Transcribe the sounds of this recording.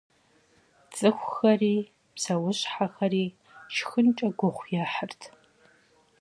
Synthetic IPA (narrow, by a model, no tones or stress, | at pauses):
t͡sʼɨxʷxɐriː | psɐwʊɕħaxɐriː | t͡ʃʰxɨnt͡ʃʼɐɡʷʊχʷjaːħərtʰ